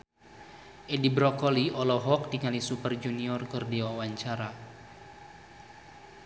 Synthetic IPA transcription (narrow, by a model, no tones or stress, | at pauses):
ʔɛdibɾɔkɔliɔlɔɦɔk̚diŋalisupərd͡ʒuniɔrkɨrdiwawaɲt͡ʃaɾa